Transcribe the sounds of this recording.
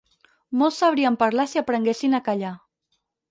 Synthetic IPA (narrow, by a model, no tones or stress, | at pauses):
molˠsaβ̞ɾiəmpaɾlasiapɾəŋɡesinakaʎa